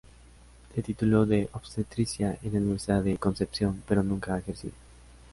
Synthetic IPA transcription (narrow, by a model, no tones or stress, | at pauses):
d̪et̪it̪uloðeʔoβst̪et̪ɾisjaenaniβesaðekonsepsjompeɾonũŋkaaexeɾsḭðo